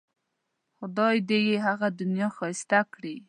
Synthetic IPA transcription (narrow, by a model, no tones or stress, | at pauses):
xʊd̪ɑjd̪ejeɦaɣad̪ʊnjɑxɑɪst̪akɽi